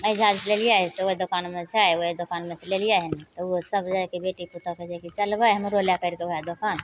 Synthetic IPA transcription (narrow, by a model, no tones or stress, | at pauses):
əd͡ʒad͡ʒlelijaɦɛseoed̪okanmeseajoed̪okanmeselelijaɦɛnit̪ɔusəbʱd͡ʒaekebeʈiput̪ɔked͡ʒakit͡ʃəlbajɦəmɾoljakəɾkeojad̪okan